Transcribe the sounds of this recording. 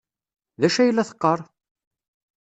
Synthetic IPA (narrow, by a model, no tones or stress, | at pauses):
ðæʃæjəlːæθə̥qːəɾˤ